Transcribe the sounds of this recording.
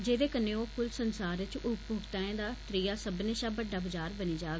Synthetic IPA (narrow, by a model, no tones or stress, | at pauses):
d͡ʒeːd̪eːkəneːoːpʰʊlsənsaːɾɪt͡ʃʊpbʱoːɡt̪aːẽːd̪aːt̪ɾiːjaːsəbneːʃaːbəɖaːbəd͡ʒaːɾbəniːd͡ʒaː